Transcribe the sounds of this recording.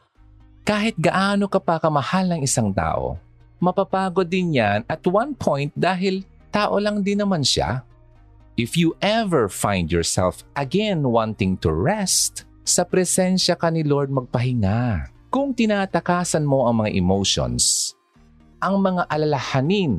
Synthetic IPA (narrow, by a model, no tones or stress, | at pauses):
kaːɦɪt̪̚ɡɐʔaːno̞kɐpɐkɐmɐhalɐŋɪsaŋt̪a̰ːʔo̰ | mɐpapaːɡod̪ɪnjanɐt̪wanpʰõjnt̪̚d̪aːɦɪl | t̪aːʔo̞lɐŋd̪ɪnːɐmanʃa̰ | ʔɪfjuʔɛvɛɹfãjnd̪jɔɹsɛ̰lfʔɐɡɛnwãnt̪ɪ̃ŋt̪ʊ̰ɹɛst̪ | sɐpɾɛsɛnʃɐkɐnɪloɹd̪̚mɐɡ̚pɐɦɪŋa | kʊŋt̪ɪnaːt̪ɐkaːsɐnmo̞ʔɐŋmɐŋaʔɛmowʃo̰ns | ʔɐŋmɐŋaʔɐlɐlɐhanɪn